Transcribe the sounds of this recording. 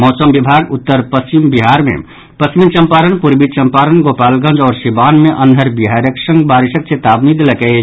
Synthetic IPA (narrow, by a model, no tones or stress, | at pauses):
mɔːsəmbibʱaɡʊt̪ːəɾpɐst͡ʃimbiɦaɾmḛ̃ | pɐst͡ʃmit͡ʃɐ̃mpaːɾənpuɾbid̪̚t͡ʃɐmpaːɾənɡopaːlɡə̃nd͡ʒɔːɾsibaːnmeʔɐnʱəɾbiɦaɾjəksə̃ŋɡbaːɾiʃək̚t͡ʃet̪aːbnid̪ləkɛ